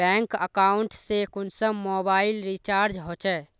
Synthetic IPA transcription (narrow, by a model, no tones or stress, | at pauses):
ɛ̃ŋkə̰kauɳʈsekʊnsə̃mobailɾit͡ʃaɾd͡ʒɦot͡ʃʰɛ